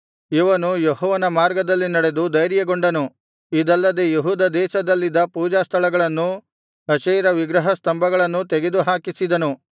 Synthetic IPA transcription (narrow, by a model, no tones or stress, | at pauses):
iʋɐnujeɦɔːʋɐnɐmaːɾɡɐd̪ɐlːinɐɽe̞d̪ud̪ɐjɾjɐɡoɳɖɐnu | id̪ɐlːɐd̪ejeɦuːd̪ɐd̪ɛːʃɐd̪ɐlːid̪ɐpuːd͡ʒaːst̪ʰɐlɐɡɐɭɐnːu | ɐʃeːɾɐʋiɡɾɐɦɐst̪ɐmbɐɡɐɭɐnːut̪̬eɡe̞d̪uɦaːkisid̪ɐnu